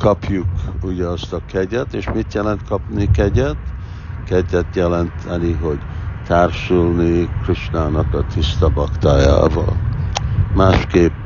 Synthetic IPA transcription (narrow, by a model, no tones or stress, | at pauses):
kɒpjukuɟɛɒst̪ɒkɛɟɛt̪eːʃmit̪jɛlɛnt̪kɒpnikɛɟɛt̪ | kɛɟɛt̪jɛlɛnt̪ʰɛniɦo̞ɟ | t̪aːrʃulnikriʃnaːnɒkɒt̪ʰist̪ɒbɒkt̪aːja̰ːvɒ̰l | maːʃkeːp